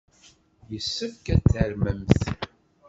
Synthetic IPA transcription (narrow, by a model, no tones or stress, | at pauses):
jəsːəfkæt͡sːəɾməmθ